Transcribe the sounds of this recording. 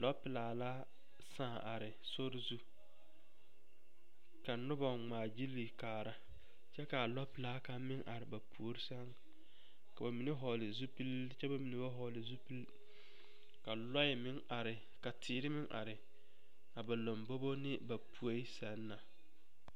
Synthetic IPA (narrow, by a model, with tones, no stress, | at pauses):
lɔ˦pɪ˨laː˨la˦ | sãː˦˨ʔa˨ɾɪ˨ | so˦ɾɪ˦zu˦ | ka˨nʊ˦bɔ˨ŋ͡maː˨d͡ʒi˦lːi˨kaː˨ɾa˨˦ | t͡ʃɛ˦ka˨lɔ˦pɪ˨laː˦ka˦mɪ˦ŋʔa˨ɾɪ˨ba˨pʰu˨o˦ɾɪ˦sa˦ŋ | ka˨ba˨mi˨ne˦ɦɔ˨lɪ˨zu˦pi˦lt͡ʃɛ˦ba˨mi˨ne˦ba˦ɦɔ˨lɪ˨zu˦pi˦l | ka˨lɔ˦jɪ˨mɪ˦ŋa˨ɾɪ˨ | ka˨tʰɪː˨ɾɪ˦mɪ˦ŋʔa̰˨ɾɪ˨ | a˨ba˨lo˨mbo˦bo˦nɪ˦ba˨pʰu˨a˦i˦sa˨˦nːa˨